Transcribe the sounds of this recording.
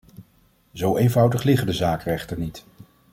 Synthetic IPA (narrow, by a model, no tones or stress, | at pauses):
zowejnvʌwdəχlɪχədəzaːkrɛχtəɹnit